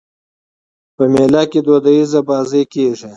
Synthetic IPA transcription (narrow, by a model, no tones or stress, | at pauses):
pəmelaked̪od̪ajizabɑːzəjkeʐi